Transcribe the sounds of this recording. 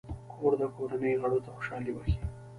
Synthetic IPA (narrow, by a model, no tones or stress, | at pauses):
kʰoɾd̪əkoɾanəjɣaɽot̪axo̥ʃɑliwəxi̥